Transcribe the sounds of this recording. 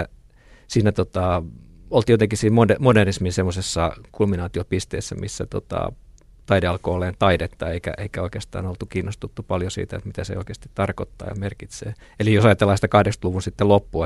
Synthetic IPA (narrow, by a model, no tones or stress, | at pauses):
siːnæt̪ot̪ɑ | olt̪ijot̪eŋkisiːmmodemoderisminsemːosesːɑkulminɑːt̪iopist̪eːsːæmʔḭsːæt̪o̰t̪ɑ̰ | t̪ɑideɑlkoːlːeːnt̪ɑidet̪ːɑeikæ̰ʔeikæoikeːst̪ɑ̰ːnolt̪ukiːnːost̪ut̪ːupɑljosḭːt̪æḛt̪mit̪æsḛo̰ikeːst̪it̪t̪ɑrkot̪ːɑ̰ːjɑ̰merkit̪sḛː | elijosɑiɑt̪elːˑɑist̪ɑkɑhdekst̪luʋunsit̪ːelopːuɑ